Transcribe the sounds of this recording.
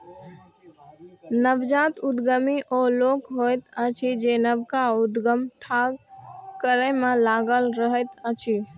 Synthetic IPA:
nəbd͡ʒat̪ud̪ɡəmiʔolokɦojt̪ət͡ʃʰid͡ʒenəbkaud̪ɡəmʈʰa | kəɾemẽlaɡəlɾəɦət̪ət͡ʃʰi

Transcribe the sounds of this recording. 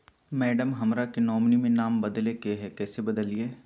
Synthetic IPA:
mɛːɖəmɦɐmɾakenɔːmnimẽnaːmbɐd̪lekeɦɛkɛːsebɐd̪əlieː

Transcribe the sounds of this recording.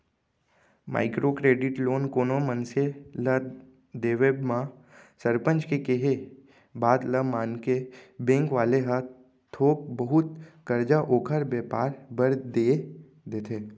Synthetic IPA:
ma̰ːɪkɾokɾeːɖɪʈloːnkoːnomənselə | d̪eːʋebmã | səɾpə̃ɲt͡ʃkekeɦe | baːd̪ləmaːnkebẽːŋkʋaːleɦə | t̪ʰoːk̚bəɦʊt̪kəɾd͡ʒaʔoːkʰəɾbeːpaːɾbəɾd̪e | d̪eːt̪ʰeː

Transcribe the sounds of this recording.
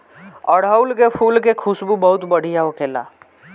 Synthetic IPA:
ɔɽ̤aʊlkepʰuːlkekʰʊsbubɐɦʊt̪bɐɽ̤ijaokʰeːla̰ː

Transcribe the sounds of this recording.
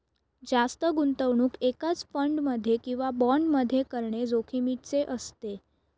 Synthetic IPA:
d͡zast̪əɡunt̪əʋɳuːkekat͡sfəɳɖməd̪ʱːjekĩw̃ʋabɔɳɖməd̪ʱːjekəɾɳed͡zokʰimiʈ̚t͡seʔəst̪e

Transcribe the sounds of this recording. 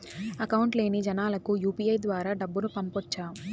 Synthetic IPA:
ɐkɐwuɳʈle̞ːnid͡ʒɐnaːlɐkujuːpiːɐjd̪ʋaːɾaːɖɐbːuɾupɐmpɔt͡ʃːaːu

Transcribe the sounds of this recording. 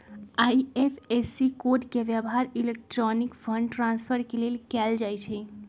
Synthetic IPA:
aiepʰesikoɖkeʋjəbɦaɾilek̚ʈɾɔnikpʰəɳɖʈɾãnspʰəɾkelelkɛld͡ʒajt͡ʃʰɛ

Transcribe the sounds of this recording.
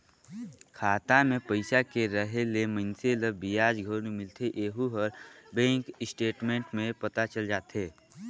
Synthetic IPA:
kʰaːt̪amẽpəɪsakeɾəɦelemənseləbijaːd͡ʒɡʱənumɪlt̪ʰeʔeːɦuɦəɾbẽːŋkɪsʈeːʈmẽːɳʈmẽpət̪at͡ʃəld͡ʒaːt̪ɦeː

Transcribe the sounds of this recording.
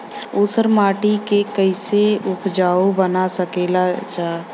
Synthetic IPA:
ʊsəɾmaːʈikekəɪseʊpʰd͡ʒaːobənasəkeːlat͡ʃaː

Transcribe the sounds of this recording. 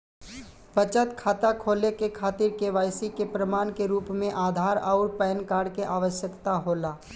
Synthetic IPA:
bət͡ʃət̪kʰaːt̪akʰoːlekekʰaːt̪ɪɾkeʋaːjsikepɾəmaːnkeɾuːpmẽʔaːd̪ʱaːɾaːɾpɛːnkaːɽkeʔaːʋəʃjəkt̪aɦoːlaː

